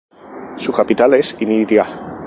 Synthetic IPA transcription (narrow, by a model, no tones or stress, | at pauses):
sukapit̪alesiniðja